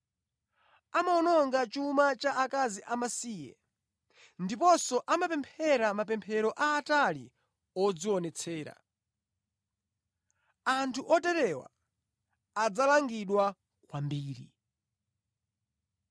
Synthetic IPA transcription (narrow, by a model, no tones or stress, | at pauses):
amaɔnɔŋɡat͡ʃumat͡ʃaʔakaziʔamasiːjɛ̰ | ndipɔsɔʔamapɛmpʰɛɾamapɛmpʰɛɾɔʔaːtalḭ | ɔd͡ziwɔnɛt͡sʰɛːɾa̰ | antʰuʔɔtɛɾɛwa̰ː | d͡zalaŋɡiɗwa | kwambiːɾi